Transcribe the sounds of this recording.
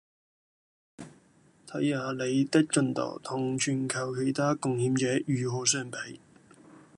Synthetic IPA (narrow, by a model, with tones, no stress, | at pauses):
t̪ʰɐ˨˥jhaː˨˧le˨˧jt̪ɪ˥k̚t͡ʃɵ˧nt̪ɔ̰ː˨˩wt̪ʰʊ˨˩ŋt͡ʃʰyː˨˩nkʰɐ˨˩wkʰe˨jt̪ʰaː˥kʊ˨ŋhiː˨˥mt͡sɛː˨˥jyː˨˧ɦɔː˨˧s̬œː˥ŋpe˨˥j